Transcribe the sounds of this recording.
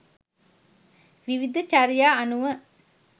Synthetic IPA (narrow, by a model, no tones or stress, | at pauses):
ʋiʋid̪ʱɐt͡ʃaɾijaːɐnuʋə